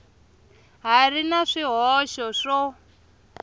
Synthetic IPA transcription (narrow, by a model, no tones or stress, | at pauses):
ɦarinaʂiɦɔʃɔʂɔ